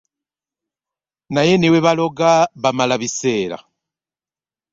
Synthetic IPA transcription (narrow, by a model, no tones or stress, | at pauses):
najeneweβaloɡaβamalaβiseːɾa̰